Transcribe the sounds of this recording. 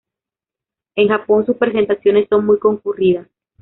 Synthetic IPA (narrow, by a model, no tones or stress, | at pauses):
e̞ŋxapo̞nsuspɾe̞s̬e̞nt̪asjo̞ne̞sːo̞ŋmujko̞ŋkuriðas